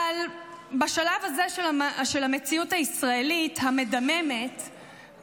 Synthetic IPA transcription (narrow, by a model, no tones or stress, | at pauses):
lbaʃalavazeʃelʃelamet͡siuthaisʁae̞lithame̞dame̞me̞t